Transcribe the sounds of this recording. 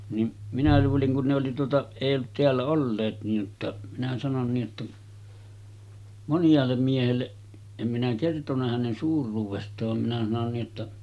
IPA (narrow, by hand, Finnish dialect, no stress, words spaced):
nim minæ luːliŋ kun ne oli tuotɑ eˑij olːut teælːæ olːeːt niːj jotːɑ minæ sɑnon niː ʔetːæ monjˑɑːlːem miehelːe em minæ kertonˑɑ hænen suːrˑuːʋestˑɑːʋ ʋɑm minæ sɑnon niː ʔetːæ